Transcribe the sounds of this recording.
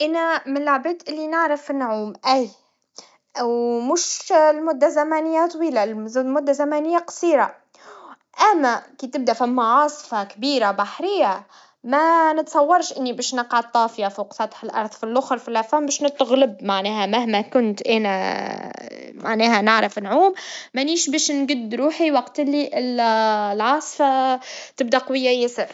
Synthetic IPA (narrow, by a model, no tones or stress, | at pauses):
ʔænæmɪnlːʊʕbeːt̪ʔɪlːinɪʕɾafnːʊʕuːmʔæj | wmʊʃlmʊd̪ːazæmæːnɪjːat̪ˤwiːlamʊd̪ːazæmæːnɪjːaqɑ̥sˤiːɾa | ʔæmːækit̪ɪb̚d̪æfimːaʕɑːsˤfɑkbiːɾabaħɾɪjːa | mænət̪sˤɑwːɑɾˤʃʔɪnːibɛːʃnɑqʕad̪̚t̪ˤːɑːfjafuːqfɑt̪ˤħəlʔɑ̰ɾˤðˤfilʔʊxɾfilafæmbɛːʃnɪt̪ːɣlɪbmaʕnɛːhæmæhmækʊnt̪ʔæːnæ̰ | maʕnɛːɦænɪʕɾəfnʕuːmmæniːʃbɛːʃnɡʊd̪ːɾuːħiwɑqt̪ɪlːiʔɪllʕɑːsˤfat̪ɪb̚d̪æqɑwɪjːajɪsəɾ